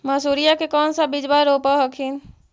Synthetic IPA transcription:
məsuːɾijakekɔːnsabɪd͡ʒbaɾoːpaɦəkʰin

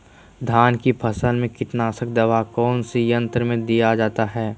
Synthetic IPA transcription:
d̪ʱaːnkipʰɐsəlmẽkɪʈnaːsək̚d̪ɐʋakɔːnsijə̃nt̪ɾəmẽd̪ijad͡ʒaːt̪aɦɛː

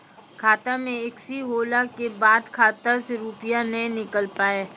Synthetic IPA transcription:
kʰaːt̪amẽɪksiɦoːlakebaːd̪kʰaːt̪aseɾupɪjanɐɦĩnɪkəlpaːeː

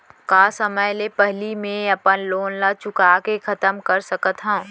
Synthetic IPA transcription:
kaːsəməjlepɛɦlimẽɐpənloːnlat͡ʃʊkaːkekʰɐt̪əmkəɾsəkət̪ɦã

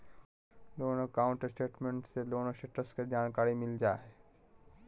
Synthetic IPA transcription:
loːnokaːʊ̃ɳʈəɾsʈeːʈmẽɳʈseloːnoʃeʈəsked͡ʒaːnkaːɾimɪld͡ʒaːe

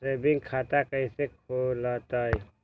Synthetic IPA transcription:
ɾebiŋɡkʰat̪akəjsekʰolət̪əj

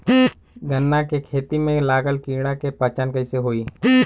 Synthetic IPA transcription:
ɡənːakekʰeːt̪imẽlaːɡəlkiːɽ̃akepət͡ʃənkəɪseɦoːiː

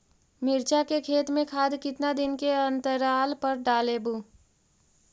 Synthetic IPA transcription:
mɪɾt͡ʃakekʰeːt̪mẽkʰaːd̪kɪt̪nad̪ɪnkeənt̪əɾaːlpəɾɖaːlebu

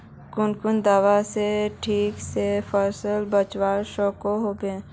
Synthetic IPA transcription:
kʊnkʊnd̪aːʋaseʈʰiːksefʰəɾsəlbət͡ʃwaːɾʃɔːkoɦoːbẽː

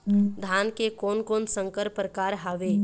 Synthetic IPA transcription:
d̪ʱaːnkekoːnkoːnsə̃ŋkəɾpɾəkaːɾɦaːʋe

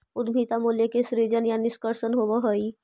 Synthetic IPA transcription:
ʊd̪miːt̪amuːljekesɾid͡ʒənjanɪskəɾsənɦobəɦoi

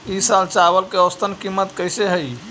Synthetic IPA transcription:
isalt͡ʃabəlkeəst̪ʰənkimːət̪kəjseɦəj

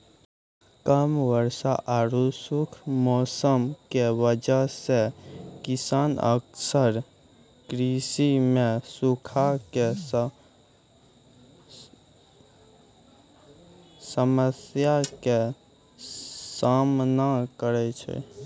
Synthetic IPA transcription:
kəmʋəɾsaʔaɾusʊkʰmɔːsəmkeʋəd͡ʒasekɪsaːnə̰ksəɾ | kɾisimẽsukʰake | səməsjake | samnakəɾet͡ʃʰḛ

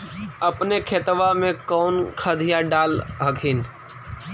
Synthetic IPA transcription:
əpnekʰeːt̪ʋamẽkɔːnkʰad̪ʱijãɖaːlɦəkʰiːn

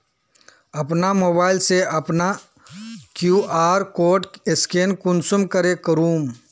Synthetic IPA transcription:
ɐpnamoːbaːɪlseɐpna | kjuːaːɾkoːʈɪskeːnkʊnsʊmkəɾekəɾuːm

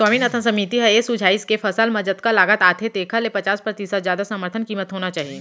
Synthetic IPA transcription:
swaːmiːnɐt̪ʰə̃sɐmiːt̪iɦɛesud͡ʒʱaːɪskefɐsəlmɐd͡ʒət̪kalaːɡət̪aːt̪ʰet̪eːkʰalepɐt͡ʃaːspɾət̪isət̪zjaːd̪asəməɾt̪ʰənkiːmət̪ɦoːnat͡ʃaːɦie

